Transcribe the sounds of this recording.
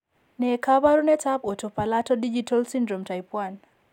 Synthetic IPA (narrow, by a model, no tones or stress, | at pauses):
nɛkaβaɾunɛtapɔtɔpalatɔdid͡ʒitʰalsindɾɔmtajpwan